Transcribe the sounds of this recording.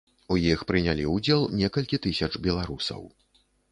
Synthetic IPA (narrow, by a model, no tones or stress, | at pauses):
ujixpɾɨnʲalʲiud͡zʲelˠnʲɛkɐlʲkʲit̪ɨsʲɐt͡ʂbʲɛlˠaɾusɐ̰w